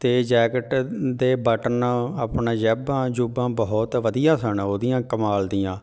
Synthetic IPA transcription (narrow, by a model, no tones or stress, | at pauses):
t̪eːd͡ʒɛːɡəʈd̪eːbəʈənaːpɳãːd͡ʒɛːbãːd͡ʒubãːbɔɦɔt̪ʋəd̪ijãːsəɳoːd̪ijãːkəmaːld̪ijãː